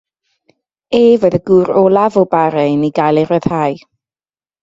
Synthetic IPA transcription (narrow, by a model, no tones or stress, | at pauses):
eːvoːðəɡuːɾɔlˠavɔbaɾɛniɡajlˠɛɾəð̥haːj